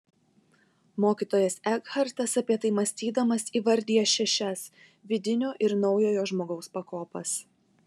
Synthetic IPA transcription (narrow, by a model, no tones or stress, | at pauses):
moːkʲiːt̪oːjɛsɛɡhɐɾt̪ɐsɐpʲiɛt̪ɐɪmɐsʲt̪ʲiːd̪ɐmɐsiːʋɐɾʲd̪ʲiɛʃʲɛʃʲɛs | ʋʲɪd̪ʲɪnʲoːʔɪɾnɒʊjoːjoːʒmoːɡɐʊspɐkoːpɐs